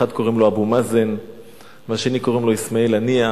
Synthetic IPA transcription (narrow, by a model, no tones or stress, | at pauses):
ad̪ko̞ʁimloabumazen | maʃenikoʁimlo̞ismaelania